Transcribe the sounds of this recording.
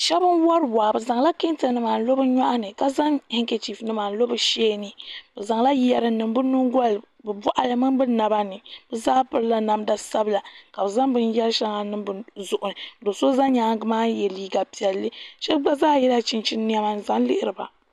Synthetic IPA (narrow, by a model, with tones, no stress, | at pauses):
ʃɛ˦bɨ˦nwa˦ɾba˨bɨ˨za˨ŋla˦ki˦n˦tɨ˨nɨ˦maː˨n˦lo˦bɨ˦ɲa˦ʔa˦nɨ˨ka˨za˦ŋhɪ˦ŋke˨t͡ʃi˨fnɨ˦maː˨n˦lo˦bɨ˦ʃeː˦nɨ˨b̥ɨ˨za˨ŋla˦jɛ˨ɾɨ˨nɨ˨m˦bɨ˦nu˦ŋɡɔ˦l | bɨ˨bɔ˦ʔa˨lɨ˨mɨ˦m˦bɨ˦na˨ba˦nɨ˨bɨ˦zaː˦pɨ˦ɾɨ˦la˨na˨mda˦sa˦bɨ˨la˨ka˨bɨ˨za˦ŋbɨ˦njɛ˦lʃa˦ŋa˨nɨ˦mbɨ˨zʊ˨ʔʊ˨nɨ˨do˨so˦za˦ɲaː˨˦ɡɨ˦maː˦jɛ˨liː˦ɡa˨pi˨ɛ˨lːɨ˦ʃɛ˦ɡ͡ba˦zaː˦jɛ˦la˦t͡ʃi˨nt͡ʃi˦n˦n˦ɛ˦ma˨n˨za˨n˦lɪ˦ʔɪ˦ɾɨ˨ba˨